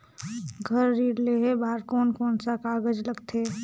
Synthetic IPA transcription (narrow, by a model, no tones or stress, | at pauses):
ɡʱəɾːiːɾleɦebaːɾkoːnkoːnsakaːɡəd͡ʒləɡt̪ʰeː